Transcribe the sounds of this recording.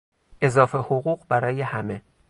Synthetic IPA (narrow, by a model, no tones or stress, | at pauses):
ʔe̞zɒːfe̞hoɣuːɢbæɾɒːje̞hæme